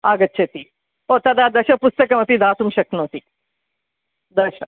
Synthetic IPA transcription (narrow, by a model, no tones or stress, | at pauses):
aːɡɐtːʃʰet̪i | ot̪ɐd̪aːd̪ɐʃɐpʊst̪ɐkɐmɐt̪id̪aːsumʃɐknõːt̪i | d̪ɐʃɐ